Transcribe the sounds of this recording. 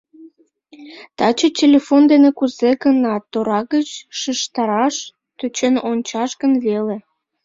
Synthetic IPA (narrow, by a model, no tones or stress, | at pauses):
t̪ɑt͡ɕetʲelʲefond̪enekuzeɣənɑt̪ːoɾɑɣət͡ɕʃɨʃt̪ɑɾɑʃ | t̪øt͡ɕenonʲt͡ɕɑʃɣənβele